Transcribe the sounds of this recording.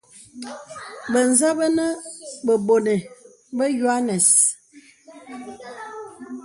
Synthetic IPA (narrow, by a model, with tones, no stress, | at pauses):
bə˨n̩˨za˦bə˦nə˦bə˨bo˨ne˨ | bə˦ju˨a˦nɛ˨s